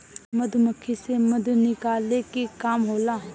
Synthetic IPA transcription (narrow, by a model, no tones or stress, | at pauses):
mɐd̪ʱməkʰːisemɐd̪ʱnɪkaːlekikaːmɦoːlaɦ